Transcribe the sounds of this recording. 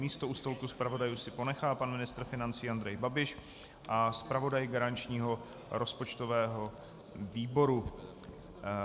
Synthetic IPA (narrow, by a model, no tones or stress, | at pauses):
miːst̪ouːst̪olkuspɾavo̞dajuːsɪpo̞nɛxaːpanmɪnɪst̪ɾ̩fɪnant͡siːand̪ɾɛjbabɪʃ | ʔaspɾavo̞dajɡaɾant͡ʃɲiːɦo̞ | ɾo̞spo̞t͡ʃt̪o̞vɛːɦo̞ | viːbo̞ɾu